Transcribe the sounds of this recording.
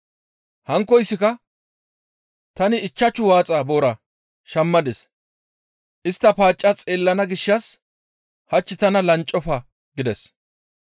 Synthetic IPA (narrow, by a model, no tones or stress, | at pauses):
hɐŋkːɔjsːɪkɐ | t̪ɐnɪːt͡ʃːɐt͡ʃːʊwaːt͡sʼabo̞ːɾɐ | ʃɐmːɐd̪ɛs | ʔɪst̪ːɐpaːt͡ʃʼːɐt͡sʼeːlːɐnɐɡɪʃːɐs | hɐt͡ʃːɪt̪ɐnɐlɐnt͡ʃʼːɔfɐ | ɡɪd̪ɛs